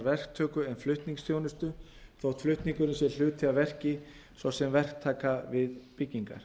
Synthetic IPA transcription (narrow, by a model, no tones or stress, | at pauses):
ɾvɛr̥kt̪ʰœːkʏɛnflʏht̪niŋksθjownʏst̪ʏ | θowt̪flʏht̪niŋkʏɾʏnsjɛɾl̥ʏːt̪ʰɪavɛr̥cɪ | svawsɛmvɛr̥k̚t̪ʰaːkavɪðpɪcːiŋka̰ɾ̥